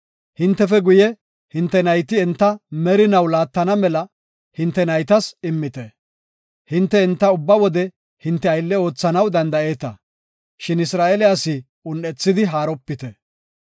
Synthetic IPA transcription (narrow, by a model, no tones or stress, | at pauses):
hɪnt̪ːɛfɛɡʊjɛ | hɪnt̪ːɛnɐjt̪ɪɛnt̪ːɐmɛɾɪnɐwlaːt̪ːɐnɐmɛlɐ | hɪnt̪ːɛnɐjt̪ɐsɪmːɪt̪ɛ | hɪnt̪ːɛɪnt̪ːɐʊbːɐwɔd̪ɛ | hɪnt̪ːɛɐjlːɛo̞ːt͡sːɐnɐwd̪ɐnd̪ɐe̞ːt̪ɐ̰ | ʃɪnɪsɾaːʔɛlɪɐsɪ | ʊnːɛt͡sːɪd̪ɪɦaːɾɔpːɪt̪ɛ